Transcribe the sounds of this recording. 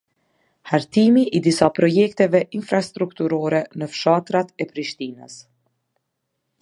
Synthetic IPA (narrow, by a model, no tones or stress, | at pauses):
haɾt̪imiʔid̪isapɾɔjɛk̚t̪ɛvɛʔinfɾast̪ɾukt̪uɾɔɾɛnəfʃat̪ɾat̪ɛpɾiʃt̪inə̰s